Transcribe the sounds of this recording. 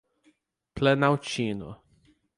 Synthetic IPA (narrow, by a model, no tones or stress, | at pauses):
plenawt͡ʃĩnʊ̰